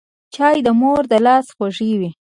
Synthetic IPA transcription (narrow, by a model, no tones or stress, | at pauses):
t͡ʃɑjd̪əmoɾd̪əlɑsxaʐiwi